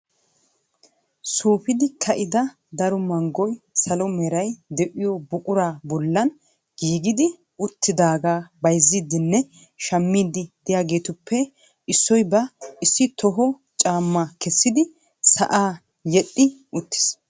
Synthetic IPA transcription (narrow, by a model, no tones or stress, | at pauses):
suːpɪd̪ɪkʰɐʔɪd̪ɐ | d̪ɐɾɔmɐŋɡɔjsɐlɔmɛɾɐjd̪ɛʔʼɪjɔbʊkʼʊɾaːbɔlːɐn | ɡ̥iːɡɪd̪ɪ | ʊt̪ːɪd̪aːɡaːbɐjzːiːd̪ɪnːɛ | ʃɐmːiːd̪ɪd̪̥ɪjaːɡe̞ːt̪ʊpʰːɛ | ɪsːɔjbɐɪsːɪt̪ʰɔɦɔ | t͡ʃʼaːmːakɛsːɪd̪ɪ | sɐ̰ʔaː | jɛɗʼːɪʊt̪ːɪ̥s